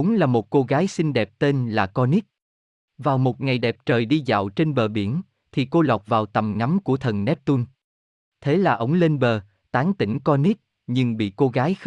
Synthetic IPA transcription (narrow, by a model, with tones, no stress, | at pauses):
ʊ˨˦ŋ͡mlaː˨˩mo˨˩t̚ko˧ɣaː˨˦jsï˧ŋ̟ɗɛ˨˩p̚t̪e˧nlaː˨˩kɔ˧ni˦˥t̚ | vaː˨˩wmo˨˩t̚ŋa˨˩jɗɛ˨˩p̚t͡ɕəː˨˩jɗi˧za̰ː˧˨wt͡ɕe˧nɓəː˨˩ɓi˧˩ən | t̪ʰi˨˩ko˧la˨˩wk͡p̚vaː˨˩wt̪ə˨˩mŋa˨˦mku˧˩ət̪ʰə˨˩nnɛ˦˥p̚t̪u˧n | t̪ʰe˨˦laː˨˩ʔə˨˦wŋ͡mle˧nɓəː˨˩ | t̪aː˨˦ŋt̪ï˧˩ŋ̟kɔ˧ni˦˥t̚ | ɲɨ˧ŋɓḭ˧˨ko˧ɣaː˨˦j